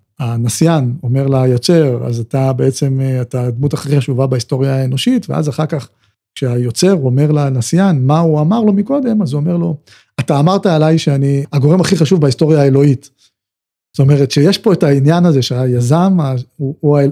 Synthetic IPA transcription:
anasjano̞me̞ʁlajot͡se̞ʁa̰zatabe̞et͡se̞matad̪mutaχiχaʃuvabaist̪o̞ʁjaeno̞ʃitveʔa̰zaχaʁkaχ | kʃeajo̞t͡se̞ʁuome̞ʁlanasjanmauamaʁlo̞miko̞d̪e̞mazuome̞ʁlo̞ | ataːmaʁtaelajʃeaniaɡo̞ʁe̞maχiχaʃuvbaisto̞ʁjaːelo̞it | z̥oto̞me̞ʁetʃejeʃpo̞etainjanaze̞ʃeajazamauuae

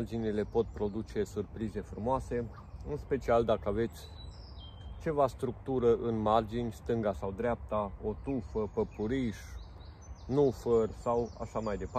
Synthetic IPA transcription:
rd͡ʒinile̞po̞t̪̚pɾo̞d̪ut͡ʃe̞surpɾize̞fɾumoase̞ | ɨnspe̞t͡ʃiald̪akəave̞t̪sʲ | t͡ʃe̞vast̪ɾukt̪uɾəʔɨnmard͡ʒinʲst̪ɨŋɡasawd̪ɾeap̚t̪ao̞t̪ufəpəpuɾiʃ | nufərʲsawa̰ʃamajd̪e̞p

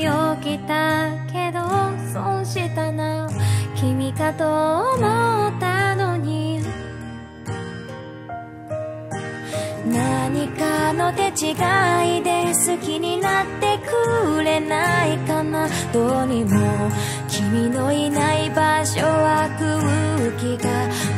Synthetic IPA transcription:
okʲit̪ake̞d̪osõɕit̪anakʲimʲikat̪aoomot̪ːano̞ɲ̟i | naɲ̟ikano̞t̪e̞t͡ɕiɡaid̪e̞sɨkʲiɲ̟inat̪ːe̞kɯːɾe̞naikanad̪̥oɲimo | kʲʰimʲino̞inaibaɕoβakɯɯɯkʲiɡa

